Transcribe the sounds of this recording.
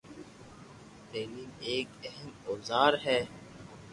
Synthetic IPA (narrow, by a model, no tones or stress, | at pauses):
t̪eːliːmeːkɛɦɛmoːzaːɾɦɛː